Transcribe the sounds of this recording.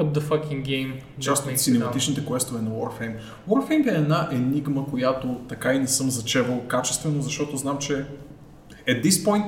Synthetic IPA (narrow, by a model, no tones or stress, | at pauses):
ɐp̚d̪əfɐkʲiŋɡʲɛjm | t͡ʃast̪ːt̪sinɛmɐt̪it͡ʃnit̪ɛkʊɛst̪ovɛnɐwɔɾfɛjm | wɔɾfɛjmpɛːd̪naʔɛniɡməkojat̪ot̪ɐkainɛsɤmzɐt͡ʃɛvəlˠkat͡ʃɛ̥st̪vɛnozɐʃt̪ɔt̪oznamt͡ʃɛ | ɛd̪ispɔjnt̪